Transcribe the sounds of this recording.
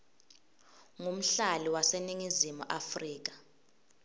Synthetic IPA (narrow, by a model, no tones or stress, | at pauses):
ŋum̩ɬaliwaseniŋizimṵʔafriːk̬ḁ